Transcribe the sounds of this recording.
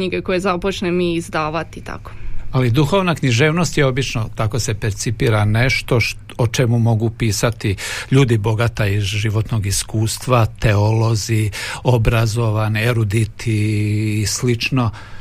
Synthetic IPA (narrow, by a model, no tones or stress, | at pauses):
ɲiɡekojezapot͡ʃnemiːzd̪aːʋat̪it̪a̰ko̥alid̪uxo̞ʋnakɲiʒe̞ːʋno̞st̪jeo̞bit͡ʃno̞t̪ako̞se̞peɾt̪sipiːɾane̞ʃt̪o̞ʃ | ot͡ʃe̞mumo̞ɡupiːsat̪iʎuːd̪ibo̞ɡat̪aizʒiʋo̞t̪no̞ɡiskuːst̪ʋat̪eolo̞zio̞bɾazo̞ʋaneɾud̪it̪ʰiː | slit͡ʃno̞